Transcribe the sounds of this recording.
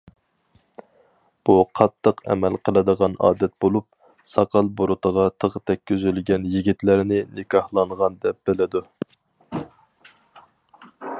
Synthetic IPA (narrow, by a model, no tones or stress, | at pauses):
b̥uqʰɑt̪ʰːəqɛ̰mɛlqʰəlˠɨd̪əʁɑnɑ̰ːd̪ɛt̪̚bolˠup̚ | sɑqɑlˠboɾʊt̪ʰəʁɑt̪ʰəʁət̪ʰɛkʲʰːyzylɡʲɛnjiɡʲit̪læɾnɪnɪkʰɑhlˠɑɴʁɑnd̪ɛp̚b̥ɪlɪd̪u